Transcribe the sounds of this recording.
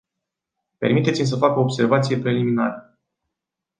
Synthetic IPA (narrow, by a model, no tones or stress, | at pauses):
pe̞rmit̪et̪sʲimʲs̬əfako̞ːbse̞rvat̪sije̞pɾe̞liminaɾə